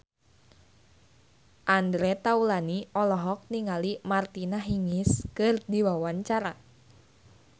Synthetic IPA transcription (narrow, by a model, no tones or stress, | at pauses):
ʔandɾɛt̪aulaniɔlɔɦɔk̚niŋalimart̪inaɦiŋɪskɨrdiwawaɲt͡ʃaɾa